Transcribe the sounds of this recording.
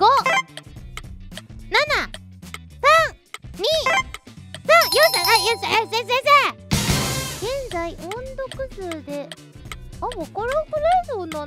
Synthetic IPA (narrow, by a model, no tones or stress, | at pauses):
ɡ̥o | nana | sã | ɲi | sãjõsaajosezezeze | ɡẽ̞nd͡zaiʔõnd̪o̞kɯ̟zɨːd̪e̞ | amokoɾokɯɾazona